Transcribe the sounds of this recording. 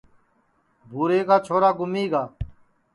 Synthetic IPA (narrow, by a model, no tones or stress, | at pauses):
bʱuːɾeːkaːt͡ʃʰoːɾaːɡʊmiːɡaː